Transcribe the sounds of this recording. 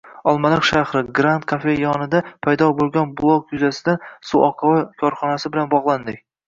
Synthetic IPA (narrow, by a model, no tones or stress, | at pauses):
ɒlˠmalɪqʃahɾɪɡɾant̪kʰafe̞jɒnɪd̪apʰajd̪ɒbolˠɡʲɒnblˠokjʊzasɪd̪ansuʔɒqʰɑwakʲʰɒɾχɒnasɪbɪlanbɒʁlˠand̪ɪkʲ